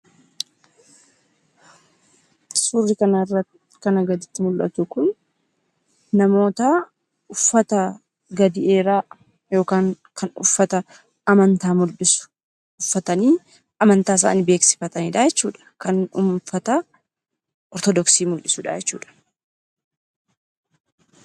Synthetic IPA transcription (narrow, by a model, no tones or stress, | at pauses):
suːrːɪkɐnɐrːɐt̪ | kɐnɐɡɐd̪ɪt̪ːɪmʊlʔɐ̰t̪ʊkʊn | ɐmo̞ːt̪ɐ | ʊfːɐt̪ɐ | ɡɐd̪ɪʔe̞ːɾaː | jo̞ːkaːŋkʰɐnʊfːɐt̪ɐ | ɐmɐnt̪aːmʊlɪsʊ̥ | ʊfːɐt̪ɐniː | ʔɐmɐnt̪aːs̬a̰ːnɪbe̞ːksɪ̥fɐt̪ɐniːᶑad͡ʒɛt͡ʃːuːᶑɐ̥kɐnʊmfɐt̪ɐ | ʔɔɾt̪ɔd̪ɔksiːmʊlʔɪsuᶑaːjɛt͡ʃːuːᶑɐ̥